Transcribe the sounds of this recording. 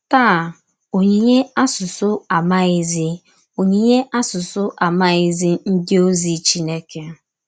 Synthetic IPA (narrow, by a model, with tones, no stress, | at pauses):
taː˦˨ | o˨ɲi˨ɲe˦a˦sʊ˨sʊ˦a˨ma˦ɪ˦zɪ˦ | o˨ɲi˨ɲe˦ʔa˦sʊ˨sʊ˦ʔa˨ma˦ɪ˦zɪ˦n̩˦dɪ˦o˦zi˨t͡ʃi˦ne˦ke˦